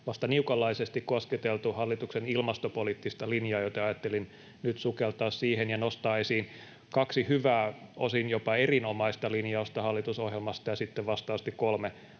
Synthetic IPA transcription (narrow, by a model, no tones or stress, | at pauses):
ʋɑst̪ɑniukɑlːɑisest̪ikkosket̪elt̪uhɑlːit̪uksenilmɑst̪opoliːt̪ːist̪ɑlinjɑːjot̪ɑɑjɑt̪ːelin | nyt̪sukelt̪ɑːssiːhenjɑnost̪ɑːesiːn | kɑksihyʋæːosinjopɑerinomɑist̪ɑlinjɑost̪ɑhɑlːit̪usohjelmɑst̪ɑjɑsit̪ːeʋʋɑst̪ɑːɑst̪ikkolme